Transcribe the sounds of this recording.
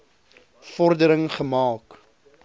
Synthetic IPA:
fɔrdəɾəŋχəmɑːk

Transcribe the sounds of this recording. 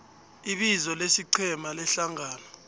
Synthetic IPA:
iɓizɔlesiǀʰɛmalɛɬaŋʱaːlɔ

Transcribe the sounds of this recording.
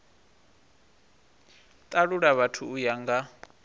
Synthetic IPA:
t̪ʼaɺuɺaβatʰuːjaŋɡa

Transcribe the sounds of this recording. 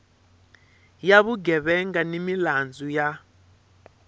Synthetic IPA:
jaβuɡɛβɛŋɡanimiland͡zʱuja

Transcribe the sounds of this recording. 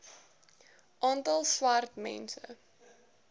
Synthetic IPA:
ʔɑːntɐlˠswartmɛ̰nsə̰

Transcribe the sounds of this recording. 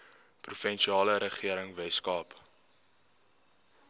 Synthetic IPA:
prufɛnʃiɑːləɾəχiəɾəŋvɛskɑːp

